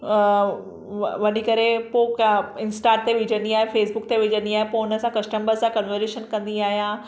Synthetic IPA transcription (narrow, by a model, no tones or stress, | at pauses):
ʋɐnikɐɾepokɪnsʈaːʈ̚t̪eʋɪd͡ʑə̃nd̪iaːɦefeːsbʊk̚t̪eʋɪd͡ʑə̃nd̪iaːɦepoʊnəsãkɐsʈəmbəɾsãkənʋəɾeʃənkɐ̃nd̪iaːɦijãː